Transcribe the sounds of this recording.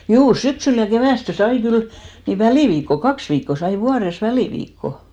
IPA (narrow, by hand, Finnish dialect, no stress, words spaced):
juː syksyl jɑ keʋæˑste sɑi kyl ni ʋæliˑʋiːkːo kɑks ʋiːkːo sɑi ʋuɑres ʋæliˑʋiːkːo